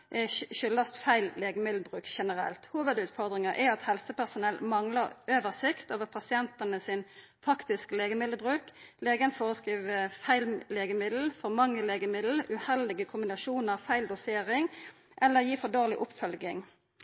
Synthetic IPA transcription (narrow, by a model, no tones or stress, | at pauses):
ʃʏlːɑst̪fæɪllːeːɡəmɪd̪l̩bʁʉːkʃɛnəɾɛ̰lt̪huːʋəd̪ʉːt̪fɔʁd̪ɾɪŋəʔæɑt̪hɛlsəpæʁsʊnɛlmɑŋləʁʔøːʋəʁsɪkt̪oːʋəɾpʰɑsɪɛnt̪ənəsɪn | fɑkt̪ɪskleːɡəmɪd̪əbʁʉːkleːɡənfoːʁəskʁiːʋfæɪlleːɡəmɪd̪l̩fɔʁmɑŋːəleːɡəmɪd̪l̩ʉhɛld̪ɪɡəkʰʊmbɪnɑʃuːnəʁfæɪld̪ʊseːɾɪŋ | ʔɛlːəɾjiːfɔd̪oːʁlɪʔʊpfœlɡɪŋ